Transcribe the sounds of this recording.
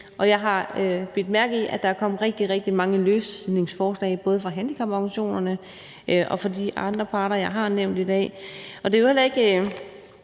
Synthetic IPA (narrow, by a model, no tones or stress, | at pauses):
ʔɒ̽jɑ̈ɪɦɑ̈øb̥ed̥mæɐɡ̥̩ˠiʔæd̥ɑ̈æɐkʰɒ̽m̰əʁɛɡ̥̚d̥iʁɛɡ̥̚d̥imɑ̈ŋəløːsne̝ŋsfɒːslɛ̰ːɪb̥ɔ̽ːð̞ˠəfʁɑ̈ɦænd̥ikʰɑ̈b̥ɑɡ̥nɕo̝̰ːnɐnə | ʔʔɒ̽fɒ̽diʔɑ̈nd̥ʁɐpʰɑ̈ːɾɐjɑ̈ɪɦɑ̈neʊ̰nd̥id̥ɛ̰ːɒ̽d̥e̝johel̰ɐe̝ɡ̥ə